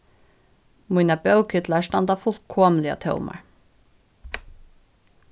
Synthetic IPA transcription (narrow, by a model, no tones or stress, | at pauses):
muinabœwkʰɪt̪laʂt̪ɑnd̪ɑfʊlkʰoːmlɪa̰t̪ʰœ̰ʊma̰ɹ